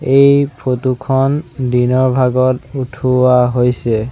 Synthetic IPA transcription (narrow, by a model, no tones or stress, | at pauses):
ejpʰotukʰɔndinɔɹbʱaɡɔtutʰuwaɦojsɛ